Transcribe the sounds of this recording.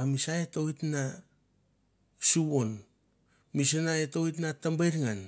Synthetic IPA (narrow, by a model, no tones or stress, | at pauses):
amisaeto̞itna | suwon | mis̬enaetowit̬natambajɾŋan